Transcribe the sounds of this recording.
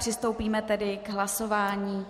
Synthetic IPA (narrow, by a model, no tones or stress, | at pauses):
r̥ɪst̪owpiːmɛt̪ɛdɪɡɦlaso̞vaːɲiː